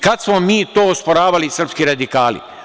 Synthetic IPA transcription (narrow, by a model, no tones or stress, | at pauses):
kad̪smomiːt̪oːospoɾaːʋalisr̩pskiɾad̪ikaːlḭ